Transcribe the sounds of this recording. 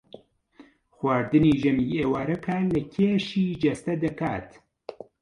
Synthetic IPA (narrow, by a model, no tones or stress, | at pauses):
xwaːɾd̪ɨniːʒɐmiːeːwaːɾɐkʰaːlɐkʰeːʃiːd͡ʒɐst̪ɐd̪ɐkaːt̪